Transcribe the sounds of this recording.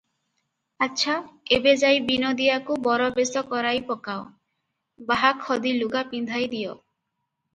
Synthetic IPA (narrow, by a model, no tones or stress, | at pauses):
atːʃʰaebed͡ʒajbinod̪iakubɔɾɔbesɔkɔɾajpɔkao | baɦakʰːɔd̪iluɡapind̪ʱajd̪ijɔ